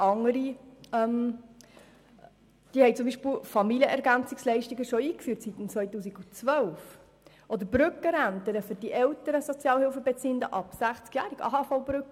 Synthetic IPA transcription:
ɑŋəɾiɛm | d̥iːhɛɪt͡sʊmbiːʃpɪlfɑmiljəʔɛɾɡænt͡sɪkslɛɪʃtiɡəʃɔiːkfyːtsit̪ən̩t͡svœʏtuːsiɡ̥ut͡sʋœlf | ʔɔd̪əɾbɾʏkːəɾæntəɾəfʏɾd̥iʔɛlt̪əɾəsɔt͡sjɑːlhɪlfəbɛt͡siːəndə̰ʔɑpsæχt͡skjæːɾiɡɑ̰ːhɑːfɔʊbɾʏkə

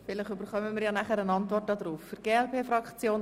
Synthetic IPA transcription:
fɪlɪχybəɾχœməmiːɾjɑːnæχəɾənɑntvɔrt̚dɑːdɾuːfːʏɾɡ̥eːɛlpʰeːfrɑkt͡sjoːn

